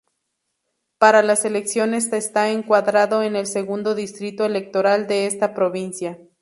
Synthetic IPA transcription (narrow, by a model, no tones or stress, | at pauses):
paɾalase̞le̞ksjo̞ne̞sest̪aeŋkwaðɾaðo̞e̞ne̞lse̞ɣund̪o̞ðist̪ɾit̪o̞ele̞k̚t̪o̞ɾald̪e̞est̪apɾo̞βinsja